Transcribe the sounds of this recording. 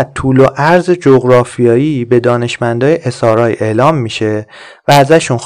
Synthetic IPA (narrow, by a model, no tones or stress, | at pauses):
t̪̚t̪ʰuːloʔæɾzed͡ʒoɣɾɒːfijɒːjibe̞d̪ɒːne̞ʃmænd̪ɒːjeʔe̞sɒːɾɒːjʔe̞lɒːmːiːʃe̞ | væːzæʃun